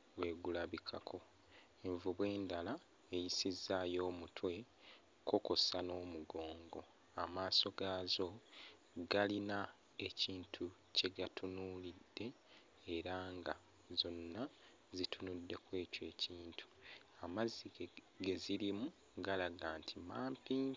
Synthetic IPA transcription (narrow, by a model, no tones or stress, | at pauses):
βwe̞ːɡulaβikʰakʰo̞ | eɱvuβwe̞ːndala | ejisizːaːjo̞ːmutʰwe̞ | kokosano̞ːmuɡo̞ːŋɡo̞ | amaːso̞ɡaːzo̞ | ɡalina | e̞ciːntʰu | ce̞ɡatʰunulidːe̞ː | ɾaːŋɡa | zo̞nːa | zitʰunudːe̞kwe̞ːcwe̞ːciːntʰu̥ | amazːi | ɡe̞ziɾimu | ɡalaɡaːntʰimaːmpiːŋ